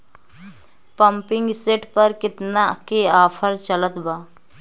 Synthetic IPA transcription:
pə̃mpɪ̃ŋɡseːʈpəɾkɪt̪nakeaːpʰəɾt͡ʃələt̪baː

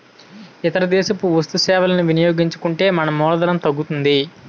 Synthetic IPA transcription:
it̪ɐɾɐd̪ɛːʃɐpuʋɐst̪usɛːʋɐlɐnuʋinijo̞ːɡiɲt͡ʃu̥kuɳʈe̞ːmɐnɐmɔːlɐd̪ɐɾɐmt̪ɐɡːut̪und̪i

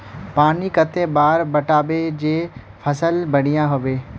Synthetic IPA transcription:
paːnikət̪ẽbaːɾbɐʈaːbed͡ʒeː | pʰəsəlbɐɽ̤ijãɦoʋeː

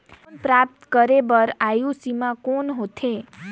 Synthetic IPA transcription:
npɾap̚t̪kəɾebəɾajũsimãkonɦot̪ʰe

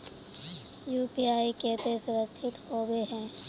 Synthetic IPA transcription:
juːpiaːiket̪esʊɾəkʃʰɪt̪hoːweɦɛ̃ː

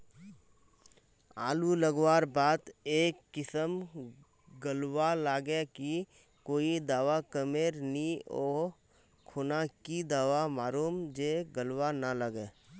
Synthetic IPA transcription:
a̰ːluləɡwaːɾbaːt̪eːkːɪsəm | ɡəlwalaːɡeki | koːid̪aːʋakəmeːɾniɔː | kʰoːnakid̪aːʋamaːɾuːmd͡ʒeɡəlwanaləɡeː

